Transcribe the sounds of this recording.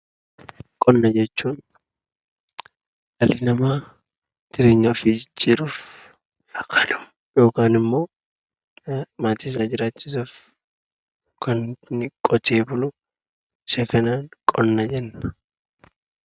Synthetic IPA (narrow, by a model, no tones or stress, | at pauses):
kʼɔnːɐd͡ʒɛt͡ʃːuːn | ɐlɪnɐma | d͡ʒ̥ɪɾe̞ːɲːɐːfɪd͡ʒɪt͡ʃːiɾuf | ɐkʰːɐnʊ̥ | jo̞ːkaːnɪmːo̞ː | maːt̪iːs̬aːd͡ʒɪɾaːt͡ʃːɪsuːf | kɐnnɪkʼɔt̪ʰeːbʊlʊ | ɪʃɐkɐnaːnkʼɔnːɐd͡ʒɛnː